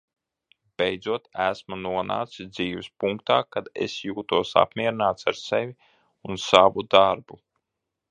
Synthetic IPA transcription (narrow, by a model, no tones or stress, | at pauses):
b̥ejd̪zuɔt̪æsmunuɔna̰ːt̪sid̪ziːvɪspuŋkt̪aːkad̪ḛsjuːt̪uɔsa̰pmʲiɛɾinaːt̪saɾsevʲi | unsavud̪aɾbu